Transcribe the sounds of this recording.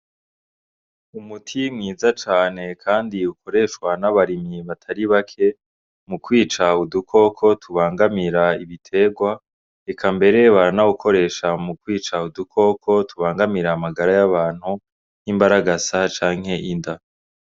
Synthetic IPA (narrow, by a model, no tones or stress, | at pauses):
umutʰimŋiːzat͡ʃaːne̞kʰaːndiukʰo̞ɾe̞ʃwanaβaɾimiβatʰaɾiβakʰe̞ | mukwiːt͡ʃaudukʰo̞kʰo̞tʰuβaːŋɡamiɾaiβitʰe̞ːɡwa | ekʰambe̞ɾe̞βaɾanaukʰo̞ɾe̞ːʃamukwiːt͡ʃaudukʰo̞kʰo̞tʰuβaːŋɡamiɾaːmaɡaɾajaβaːn̥hu | nimbaɾaɡasat͡ʃaːŋhe̞ʔinda